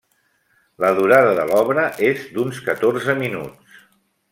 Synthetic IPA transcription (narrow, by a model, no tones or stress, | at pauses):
ləðuɾaðəðə̰lɔβɾəʔezd̪unskət̪orzəminṵt͡s